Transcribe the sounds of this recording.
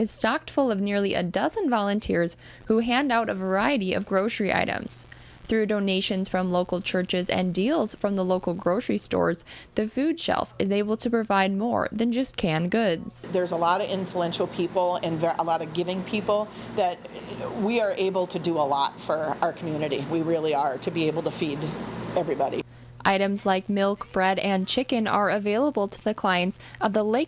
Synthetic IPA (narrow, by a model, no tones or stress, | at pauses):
ɨz̥stɑk̚tfʊlˠʌvnɪɹlˠiʔɨ̰dʌzɨ̃nvɑlˠə̃ntʰɪɹz̥ | huɦæ̃ndaʊɾɨvə˞aɪɨɾiʌ̰vɡɹoʊsəɹiʔa̰ɪɾɨ̰̃mz̥ | θɹʉdõʊ̃neɪʃɨ̃nz̥fɹʌ̃mloʊkl̩ˠt͡ʃʰɜ˞t͡ʃɪzɨ̰̃ndilˠz̥fɹʌ̃mðəloʊkl̩ˠɡɹoʊsəɹistɔ̰ɹzðɨfʉd̥ʃɛ̰lˠfɨzeɪbl̩ˠtʰɨpɹ̥ɨvaɪd̚mɔ̰ɹðɨ̃nd͡ʒʌskʰɨ̃nɡʊdz̥ðə˞zəlɔɾʌɪ̃ɱfluɛ̃nʃl̩ˠpʰipl̩ˠɨ̃nvəʔə̰lɔɾʌvɡɪvɪ̃ŋpʰipl̩ˠ | ðɨt̚ | wiə˞ʔeɪbl̩ˠtʰɨdɨəlɔtfə˞aʊə˞kʰmjʉnɨɾḭwiɹɪlˠiə˞ɾɨbieɪbl̩ˠtʰɨfiɾɛvɹibɑɾḭ | ʔa̰ɪɾɨ̃mzlaɪk̚mɪlˠkb̥ɹɛɾɨ̃nt͡ʃʰɪkɨ̃nə̰˞ɨveɪlˠəbl̩ˠtʰə̥ðɨkʰl̥aɪɨ̃ntsʌvðəleɪ